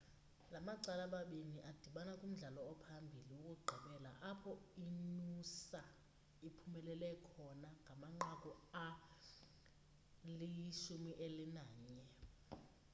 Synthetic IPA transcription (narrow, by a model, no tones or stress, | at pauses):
lamaǀalaɓaɓiniʔad̥ʱiɓanakʼum̩ɮalɔːpʰambʱiliwukʼuɡ͡ǃʱiɓɛla̰ʔapʰɔinusa | ipʰumɛlɛlɛkʰɔnaŋɡʱamaŋ͡ǃakʼɔa | liʃumiʔelinaːɲɛ